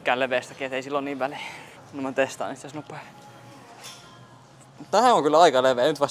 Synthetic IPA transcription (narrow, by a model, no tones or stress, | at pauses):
kːæːleʋeˑːst̪ækiːet̪eisilːoniːʋʋæli | nomnt̪est̪ɑ̰ːnit̪sesnupːe | mut̪t̪æhæoŋkylɑikɑleʋeːnyt̪ʋɑs